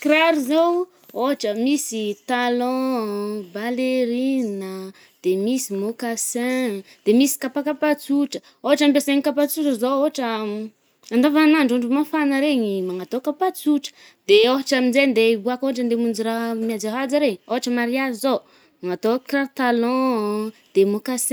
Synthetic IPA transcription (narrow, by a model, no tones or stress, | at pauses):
kɾaɾizow | oɦaʈ͡ʂəmisit̪alɔ̃ | baleɾinə | d̪̥emisimokasɛ̃ | d̪̥emisi̥kapakapat͡suʈ͡ʂə | oɦaʈ͡ʂambeseɲikapat͡suʈ͡ʂəzooɦaʈ͡ʂə | and̪avanaɳɖ͡ʐuɳɖ͡ʐumafanəɾeɲimaŋat̪okapat͡suʈ͡ʂə̥ | d̪̥eoɦaʈ͡ʂaminzend̪ebuakoɦaʈ͡ʂənd̪emund͡ʒiɾamad͡zaɦad͡zəɾeɲoɦaʈ͡ʂəmaɾiazizo | maŋat̪okrart̪alɔ̃d̪̥emokas